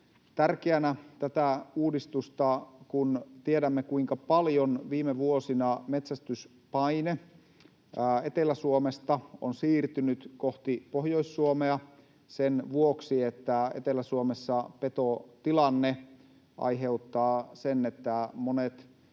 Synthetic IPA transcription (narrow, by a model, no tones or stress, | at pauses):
t̪ærkeænæt̪æt̪æuːdist̪ust̪ɑkunt̪iedæmːekuiŋkɑpɑljonʋiːmeʋuosinɑmet̪sæst̪ys | pɑjne | et̪elæsuomest̪ɑo̰nsiːrt̪ynyt̪koht̪ipohjo̞isːuomeɑ | senʋuoksiet̪ːæḛt̪elæsuomesːɑpet̪ot̪ilɑnːe | ʔɑ̰jɦe̞ut̪ːɑːsenet̪ːæmonet̪